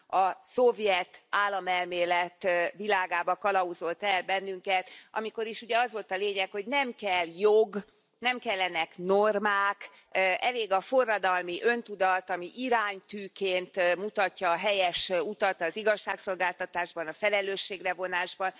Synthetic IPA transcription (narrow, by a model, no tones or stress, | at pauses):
ɒsovjɛt̪aːlːɒmɛlmeːlɛt̪vilaːɡaːbɒkɒlɒuzo̞lt̪ɛlbɛnːyŋkɛt̪ʔɒ̰miko̞ɾiʃuɟɛɒzʋo̞lt̪ɒleːɲɛkho̞ɟnɛmkɛlːjoɡ | nɛmkɛlːɛnɛknormaːk | ɛleːɡɒfo̞rːɒd̪ɒlmiʔø̞nt̪ud̪ɒt̪ɒmiʔiɾaːɲt̪yːkeːnt̪mut̪ɒcːɒːɦɛjɛʃut̪ɒt̪ɒziɡɒʃːaːkso̞lɡaːlt̪ɒt̪aːʒbɒnɒfɛlɛløːʃːeːɡrɛvo̞naːʒbɒn